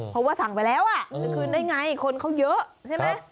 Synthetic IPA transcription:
ho˨˧˦wkaː˧sʰa˨˩ŋvaː˨˩jlɛ˨˧˦wʔaː˨˩skɨ˧nɗə˧jŋa˧jxo˧nxo˧ŋ͡mzəː˨˦˥t̪ʰɛ˧˦mɛ˧˩

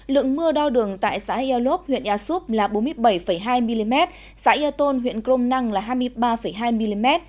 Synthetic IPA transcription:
lɨ̰˧˨əŋmɨ˧əɗa˧wɗɨ˨˩əŋt̪a̰ː˧˨jsa̰ː˧˥ʔi˧a˧lo˦˥p̚hwḭ˧˨ənʔaː˧su˦˥p̚laː˨˩ɓo˨˦nmɨ˧əjɓə˧˩jfə˧˩jɦaː˧jmi˧li˧mɛ˦˥t̚ | sa̰ː˧˦˥ʔi˧a˧t̪o˧nɦwḭ˧˨ənkɾo˧mna˧ŋlaː˨˩ɦaː˧jm˧əjɓaː˧fə˧˩jɦaː˧jmi˧li˧mɛ˦˥t̚

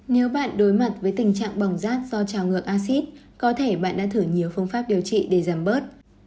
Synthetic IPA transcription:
ne˨˦wɓa̰ː˧˨nɗo˨˦jma˨˩t̚vəː˨˦jt̪ï˨˩ŋ̟t͡ɕa̰ː˧˨ŋɓa˨˩wŋ͡mzaː˦˥t̚z̥ɔ˧t͡ɕaː˨˩wŋɨ˨˩ək̚ʔaː˧si˦˥t̚ | kɔ˨˦t̪ʰe˧˩ɓa̰ː˧˨nɗa̰ː˧˥t̪ʰɨ˧˩ɲi˨˦əwfɨ˧əŋfaː˦˥p̚ɗi˨˩əwt͡ɕḭ˧˨ɗe˧˩zaː˧˩mɓəː˦˥t̚

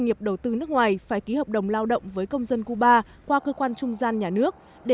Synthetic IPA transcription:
ŋi˨˩əp̚ɗə˨˩wt̪ɨ˧nɨ˦˥k̚ŋwaː˨˩jfaː˧˩jki˨˦həː˨˩p̚ɗə˨˩wŋ͡mlaː˧wɗə̰˧˨wŋ͡mvəː˨˦jkə˧wŋ͡mzə˧nku˧ɓaː˧ | kwaː˧kəː˧kwaː˧nt͡ɕʊ˧ŋ͡mzaː˧nɲaː˨˩nɨ˦˥ək̚ | ɗe˧˨˩

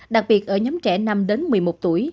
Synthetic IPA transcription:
ɗa˨˩k̚ɓi˨˩ət̚ʔəː˧˩ɲɔ˨˦mt͡ɕɛ̰˧˩na˧mɗe˨˦nmɨ˨˩jmo˨˩t̚t̪u˧˩əj

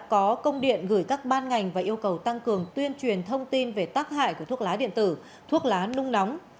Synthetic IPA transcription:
kɔ˨˦kə˧wŋ͡mɗḭ˧˨ənɣɨː˧˩jkaː˦˥k̚ɓaː˧nŋa˨˩jŋ̟vaː˨˩ʔi˧əwkə˨˩wt̪a˧ŋkɨ˨˩əŋt̪wi˧ənt͡ɕwi˨˩ənt̪ʰə˧wŋ͡mt̪i˧nve˨˩t̪aː˦˥k̚ɦa̰ː˧˨jku˧˩ət̪ʰu˦˥ək̚laː˨˦ɗḭ˧˨ənt̪ɨ̰˧˩ | t̪ʰu˦˥ək̚laː˨˦nʊ˧ŋ͡mna˨˦wŋ͡m

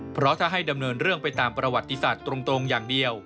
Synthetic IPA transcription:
pʰɾɔ˦˥t̪ʰaː˥˩ɦa˥˩jda˧mnɤː˧nɾɯ˥˩əŋpa˧jt̪aː˧mpɾa˧wa˨˩t̪ːi˧saː˨˩t̪ːɾo˧ŋt̪ɾo˧ŋjaː˨˩ŋdi˧əw

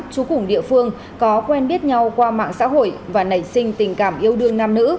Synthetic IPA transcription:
t͡ɕu˨˦kʊ˧˩ŋ͡mɗḭ˧˨əfɨ˧əŋ | kɔ˨˦kwɛ˧nɓi˦˥ət̚ɲa˧wkwaː˧ma̰ː˧˨ŋsa̰ː˧˥ɦo̰˧˨jvaː˨˩nə˧˩jsï˧ŋ̟t̪ï˨˩ŋ̟kaː˧˩mʔi˧əwɗɨ˧əŋnaː˧mnɨ̰˧˥

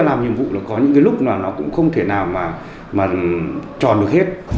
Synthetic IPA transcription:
laː˨˩mɲḭ˨əmvṵ˧˨lɔː˨˩kɔ˨˦ɲɨ̰˧˥ŋkaː˨˦lʊ˦˥k͡p̚maː˨˩nɔ˨˦kʊ̰˧˥ŋ͡mxə˧wŋ͡mt̪ʰe˧˩naː˨˩wmaː˨˩ | maː˨˩t͡ɕɔ̰˨˩nɗək̚he˦˥t̚

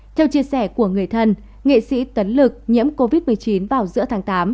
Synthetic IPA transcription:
t̪ʰɛ˧wt͡ɕi˧əsɛ˧˩ku˧˩əŋɨ˨˩əjt̪ʰə˧n | ŋḛ˧˨sḭ˧˥t̪ə˨˦nlɨ˨˩k̚ɲḭ˧˥əmko˧vi˦˥t̚mɨ˨˩əjt͡ɕi˨˦nvaː˨˩wzɨ̰˧˥ət̪ʰaː˨˦ŋt̪aː˨˦m

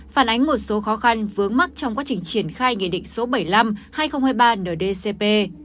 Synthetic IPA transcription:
faː˧˩nʔa˨˦jŋ̟mo˨˩t̚so˨˦xɔ˨˦xa˧nvɨ˨˦əŋma˦˥k̚t͡ɕɔ˧wŋ͡mkwaː˨˦t͡ɕï˨˩ŋ̟t͡ɕi˧˩ənxaː˧jŋḭ˧˨ɗḭ˧˨ŋ̟so˨˦ɓə˧˩jla˧mhaː˧jxə˧wŋ͡mhaː˧jɓaː˧nəː˨˩ɗe˧se˧pe˧

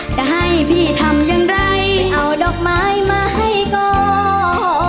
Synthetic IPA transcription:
t͡ɕa˧˩ɦa˧˩jpʰiː˧˩t̪ʰa˧˩mjaː˧ŋɾa˧jʔa˨˧˩wdɔː˨˧˩k̚maː˦˥jmaː˧ha˧˩jkɔː˧˩

